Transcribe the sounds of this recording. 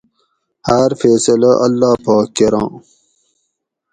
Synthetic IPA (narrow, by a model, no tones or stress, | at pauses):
hɐɾfeːsɐlɐʔɐlːaːpɑːkːeɾɑ̰̃ː